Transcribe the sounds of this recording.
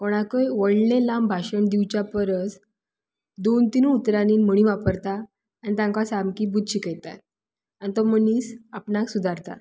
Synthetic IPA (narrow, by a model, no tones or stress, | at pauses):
koɽ̃akəjʋəɽlelambʱaɕəɳd̪iwt͡ɕjapəɾət͡s | d̪ont̪inuut̪ɾaniːnm̤əɽ̃ĩʋapəɾt̪aː | nit̪ãŋkasamkibud̪ʱɕikɛjt̪a̰t̪ | anit̪ɔməniːsapnaksud̪ʱaɾt̪a̰